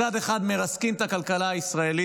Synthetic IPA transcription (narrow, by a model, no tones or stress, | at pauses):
ad̪eχad̪me̞ʁaskimt̪akalkalaaisʁae̞li